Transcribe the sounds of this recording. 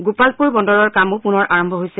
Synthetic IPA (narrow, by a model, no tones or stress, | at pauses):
ɡupalpuɹbɔndɔɹɔɹkamʊpunɔɹʔaɹɔmbʱɔɦojsɛ